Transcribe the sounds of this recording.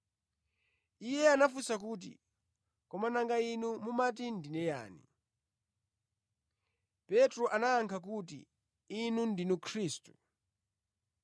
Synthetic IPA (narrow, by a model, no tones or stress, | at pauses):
ijɛanafusakut̬ḭ | kɔmanaŋɡainumumat̬indinɛja̰ːnḭ | pɛtɾɔʔanaːŋkʰak̬ut̬ḭ | inundinukʰɾiːstu̥